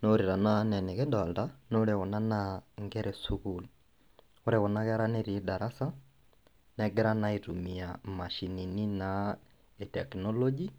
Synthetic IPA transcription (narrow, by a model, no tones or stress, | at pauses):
noɾiɾananɛnɛɣedɔldanoɾeɣɔnanaŋɡɛɾɛsuɣul | oɾeɣɔnaɣɛɾaneɾidaɾasa | nɛɡɛɾanaitumiamaʃininina | etɛknɔlɔd͡ʒi